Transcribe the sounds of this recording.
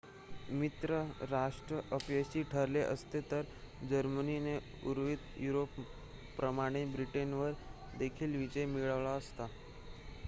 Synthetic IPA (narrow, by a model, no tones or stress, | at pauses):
mit̪ɾəɾaʂʈɾəʔəpjəɕiːʈʰəɾleʔəst̪et̪əɾd͡ʑəɾmənine | uɾʋiːt̪juɾopː | ɾəmaɽ̃ebɾiʈenʋəɾ | d̪ekʰiːlʋid͡ʑəjmiɭəʋɭaəst̪a